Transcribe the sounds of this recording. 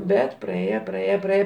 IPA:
ˈbʲɛt prɐˈeːjɛ prɐˈeːjɛ prɐˈeːjɛ

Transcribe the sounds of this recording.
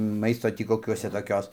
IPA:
ˈmɐɪstoː ˈtʲiː koːˈkʲuɔsʲɛ toːˈkʲoːs

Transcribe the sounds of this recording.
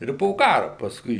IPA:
ˈɪr poː ˈkɑːrʊ pɐsˈkʊɪ

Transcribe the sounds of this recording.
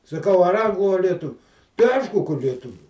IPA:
sɐˈkɐʊ ɐr ˈɐŋɡlˠʊ ɐ lʲiɛˈtʊʋʲʊ tɐɪ ˈɐɪʃkʊ kɐ lʲiɛˈtʊʋʲuː

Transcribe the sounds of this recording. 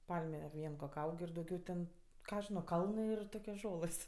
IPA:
ˈpɐlʲmʲɛ ˈʋʲiɛn koːkʲ ˈɐʊk ɪr dɐʊˈɡʲɛʊ tʲɛn ˈkɑː ɐʃ ˈʒʲɪnoː ˈkɐlˠnɜ ɪr ˈtoːkʲoːs ˈʒoːlˠɘs

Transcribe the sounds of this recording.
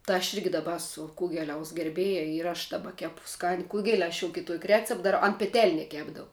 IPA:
tɜ ɐʃ ˈɪrʲɡʲɪ dɐˈbɐ ˈæːsʊ ˈkʊɡʲɛlʲɛʊs ɡʲɛrʲˈbʲeːjɛ ɪr ɐʃ dɐˈbɐ ˈkʲæːpʊ ˈskɑːnʲɪ ˈkʊɡʲɛlʲ ɐʃ jɛʊ kʲɪˈtuɔkʲ ˈrʲæːt͡sʲɛp dɐˈrɐʊ ɐn pʲɛˈtʲɛlʲnʲɛ ˈkʲæːbdɐʊ

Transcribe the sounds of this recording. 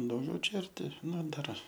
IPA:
dɐʊˈɡʲɛʊ ˈt͡ʃʲɛ ɐrʲˈtʲɪ ˈnʊ ˈdɐr

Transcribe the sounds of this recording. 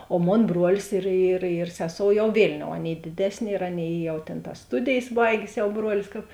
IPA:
oː ˈmoːn ˈbroːlʲɪs ɪr ɪr ɪr ˈsʲæːˌsoːʊ jɛʊ ˈʋʲeːlʲˌnʲoːʊ ˈɑːˌnʲeːɪ ˈdʲeːdʲɛsʲˌnʲeː ɪr ˈɑːˌnʲeːɪ ˈjɛʊ tʲeːn tɐs ˈstʊdʲeːjeːs ˈbɐɪɡʲeːs ˈjɛʊˈbruɔlʲɪs kɐp

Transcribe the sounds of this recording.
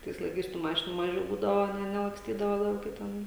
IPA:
ˈtɐɪs lˠɐɪˈkɐɪs tuː ˈmɑːʃʲɪnuː ˈmɑːʒʲɛʊ ˈbuːdɐʋoː ˈnʲɛ nʲɛlˠɐksʲˈtʲiːdɐʋoː lˠɐʊˈkʲɛ ˈtʲɛn

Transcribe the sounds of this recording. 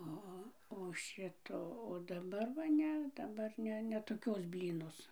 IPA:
ˈoː oː oː ˈʃʲɪtoː oː dɐˈbɐr ʋɐ ˈnʲɛ dɐˈbɐr ˈnʲɛ nʲɛ toːˈkʲoːs ˈbʲlʲiːnoːs

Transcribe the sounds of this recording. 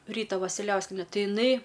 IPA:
ˈrʲiːtɐ ʋɐsʲɪˈlʲɛʊsʲkʲiɛnʲɛ ˈtʲɪ ɪˈnɐɪ

